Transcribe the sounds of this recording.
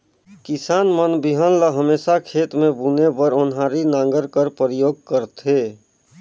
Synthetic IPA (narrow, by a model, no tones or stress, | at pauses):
kɪsaːnmənbiɦənləɦəmeːsakʰeːt̪mẽbunebəɾʊnɦaːɾinãːŋ̆ɡəɾkəɾpəɾjoːɡ̚kəɾt̪ʰeː